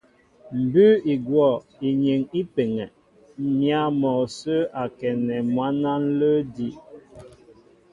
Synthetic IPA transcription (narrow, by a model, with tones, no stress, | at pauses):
m̩˨bʉ˦i˨ɡwɔ˦˨ | i˨ɲe˨ŋi˦pe˨ŋɛ˨ | mja˦mɔ˨sə˦a˨kɛ˨nɛ˨mwa˦na˦n̩˦lə˦di˦